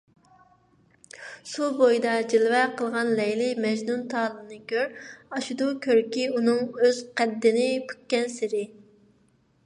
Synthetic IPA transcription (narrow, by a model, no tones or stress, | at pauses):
subojd̪ɑd͡ʒilvɛqʰəlˠʁɑnlɛjlɪmɛʒnunt̪ʰɑːlˠɨnɨkʲʰøɾɑʃud̪ukʲʰøɾkʲiunɨŋøz̥qʰæd̪ːɪnɪpʰy̥kʲːɛnsɪɾɪ